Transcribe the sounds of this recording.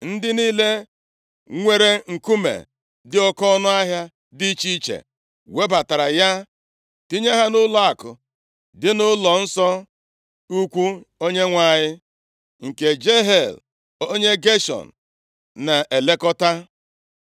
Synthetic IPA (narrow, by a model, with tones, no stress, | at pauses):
n̩˦dɪ˦niː˦le˦ | ŋʷe˨ɾe˨ŋ̩˨ku˦mḛ˨ | dɪ˦ɔ˦kɔ˦nʊ˦a˦ɦja˦ | di˦t͡ʃi˦t͡ʃḛ˨ | we˦ba˨ta˨ɾa˨ja˦ | ti˦ɲe˦ɦa˦nʊ˦la˦a˨kʊ˨ | dɪ˦nʊ˦lɔ˨n̩˦sɔ˦ | u˦kʷu˦o˦ɲe˦ŋʷa˦˨ɲɪ˦ | ŋ̩˨ke˨d͡ʒe˦ɦe˨l | o˦ɲe˦ɡe˦ʃɔ̰˨n̩˨ | na˨ʔe˨le˦kɔ˦ta˦